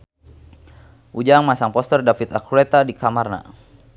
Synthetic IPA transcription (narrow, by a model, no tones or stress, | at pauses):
ʔud͡ʒaŋmasaŋpɔst̪ərdafit̪akuɛt̪adikʰamarna̰